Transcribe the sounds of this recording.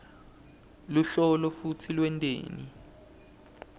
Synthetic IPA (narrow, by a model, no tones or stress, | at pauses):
luɬɔlɔfutʰilwɛntʼḛːni